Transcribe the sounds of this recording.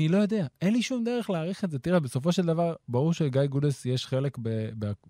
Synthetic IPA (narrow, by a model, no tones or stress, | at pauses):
nilo̞jo̞d̪e̞aʔe̞nliʃumd̪e̞ʁeχleaːʁiχetzet̪iʁebeso̞fo̞ʃe̞ld̪avaʁbaʁuʁʃeɡajɡudesjeʃχe̞le̞kbebea